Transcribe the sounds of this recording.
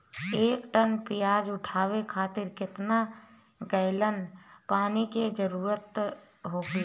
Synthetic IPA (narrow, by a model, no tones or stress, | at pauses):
eːkʈənpɪjaːd͡ʒʊʈʰaːwekʰaːt̪ɪɾkɪt̪na | ɡəɪlənpaːniked͡ʒəɾuːɾət̪ | ɦoːɡi